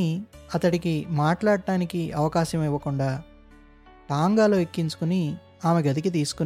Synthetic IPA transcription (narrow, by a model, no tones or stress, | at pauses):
iɐt̪ɐɽikimaːʈlaːɽɖaːnikiɐʋɐkaːʃɐmiʋːɐkuɳɖaː | ʈaːŋɡaːloːekːiɲt͡ʃu̥kuni | aːmeɡɐd̪ik̬it̪̬iːsu̥kun